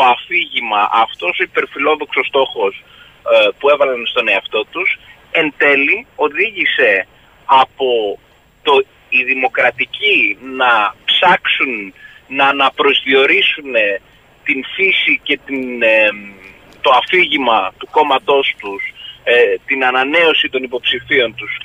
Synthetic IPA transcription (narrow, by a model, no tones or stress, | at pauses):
t̪oɐfiʝimɐʔɐft̪o̞soipe̞ɾfilo̞ðo̞kso̞st̪o̞xo̞s | pue̞vɐlɐnst̪o̞ne̞ɐft̪o̞t̪us | e̞nt̪e̞lio̞ðiʝise̞ | ɐpo̞ | t̪o̞ | iðimo̞kɾɐt̪icinɐpsɐksunnɐnɐpɾo̞zðio̞ɾisune̞ | t̪infisice̞t̪in | t̪o̞ɐfiʝimɐt̪uko̞mɐt̪o̞st̪us | t̪inɐnɐne̞o̞sit̪o̞nipo̞psifio̞nt̪us